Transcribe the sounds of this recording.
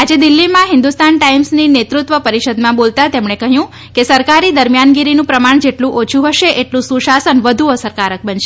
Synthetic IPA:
ad͡ʒed̪ilːimãɦɪnd̪ust̪anʈaimsninet̪ɾut̪ʋəpəɾiʃəd̪mãbolt̪at̪emɳekəɦjũ | kesəɾkaɾid̪əɾmijanɡiɾinũpɾəmaɳ̃d͡ʒeʈlũʔot͡ʃʰuɦəʃeʔeʈlũsũʃasənʋəd̪ʱuosəɾkaɾək̚bənʃe

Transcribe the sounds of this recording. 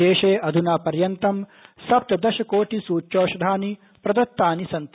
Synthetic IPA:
eːʃeːʔɐd̪ʱunaːpɐɾjɐnt̪ɐmsɐp̚t̪ɐd̪ɐʃɐkoːʈisuːt͡ʃoːʃɐd̪ʱaːni | pɾɐd̪ɐt̪ːaːnisɐnt̪

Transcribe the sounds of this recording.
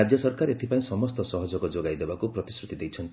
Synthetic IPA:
ad͡ʒjɔsɔɾkaɾet̪ʰipaĩsɔmɔst̪ɔsɔɦɔd͡ʒɔkɔd͡ʒoɡajd̪ebakupɾɔt̪isɾut̪id̪ejt͡ʃʰɔnt̪

